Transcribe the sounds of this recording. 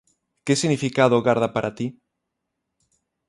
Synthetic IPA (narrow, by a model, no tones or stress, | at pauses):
kesiɣnifikaðoɣaɾð̞apaɾʔat̪i